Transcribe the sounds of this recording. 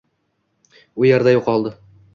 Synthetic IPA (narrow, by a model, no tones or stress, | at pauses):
ʊjaɾd̪ajʊqɒlˠd̪ɪ